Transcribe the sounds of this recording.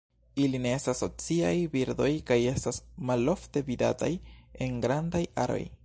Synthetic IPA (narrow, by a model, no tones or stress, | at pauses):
iline̞estaso̞t͡siajbiɾdo̞jkaje̞stasmalo̞fte̞vida̰ta̰je̞ŋɡɾandaja̰ɾo̞̰j